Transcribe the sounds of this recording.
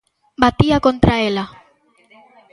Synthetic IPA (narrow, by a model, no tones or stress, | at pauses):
bat̪iakont̪ɾaela